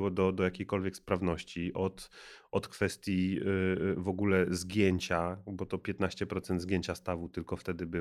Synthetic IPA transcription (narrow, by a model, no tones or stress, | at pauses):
wɔd̪ɔd̪ɔjakʲejkɔlvʲjɛkspɾavnɔɕt͡ɕiʔɔt̪ɔt̪kfɛst̪ʲji | vɔɡulɛzɡʲjeɲt͡ɕabɔt̪ɔpʲjɛt̪naɕt͡ɕɛpɾɔt̪sɛnd̪zɡʲjeɲt͡ɕast̪avut̪ɘlkɔft̪ɛd̪ɘbɘ